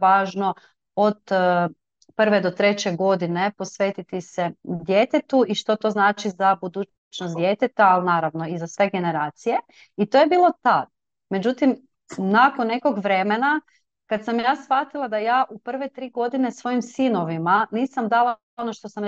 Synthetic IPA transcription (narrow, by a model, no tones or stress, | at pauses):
aːʒno̞ | od̪ | pr̩ʋed̪o̞t̪ɾe̞t͡ɕe̞ɡo̞d̪inepo̞sʋe̞ːt̪it̪ised̪jeːt̪et̪uiʃt̪o̞t̪o̞znaːt͡ʃizabud̪uː | t͡ʃnosd̪jeːt̪et̪aːlnaːɾaʋnoizasʋe̞ɡe̞ne̞ɾaːt̪sije̞ | it̪o̞ːjebiːlˠo̞t̪ad̪ | me̞d͡ʑut̪im | nakonːe̞ko̞ɡʋɾe̞mena | kad̪samjaːsʋat̪ilˠad̪ajaːʔupr̩ʋet̪ɾiːɡo̞d̪ine̞sʋo̞jimsino̞ʋimaniːsamd̪alˠa | onoʃt̪o̞sam